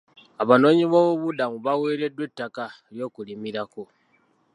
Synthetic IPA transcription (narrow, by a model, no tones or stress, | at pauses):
aβano̞ːɲiβoβoβudamuβaweːɾe̞dwe̞tːaka | ɾjo̞ːkulimiɾako